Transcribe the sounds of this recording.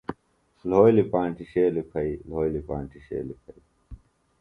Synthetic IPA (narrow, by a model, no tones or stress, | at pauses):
loːilipãːɳʈiɕeːlipʰɐiloːjlipãːɳʈiɕḛːlipʰɐi